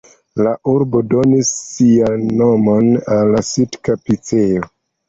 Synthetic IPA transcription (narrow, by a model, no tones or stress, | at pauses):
laʔuɾbodo̞nisːianːo̞mo̞nalːasitkapit͡seo